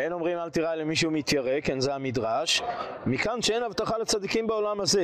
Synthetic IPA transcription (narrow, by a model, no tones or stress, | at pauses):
eno̞mʁimalt̪iʁajlemiʃ̬eumit̪jaʁekenzehamid̪ʁaʃ | mikanʃee̞navt̪aχalet͡sad̪ikimbeo̞lamhaze̞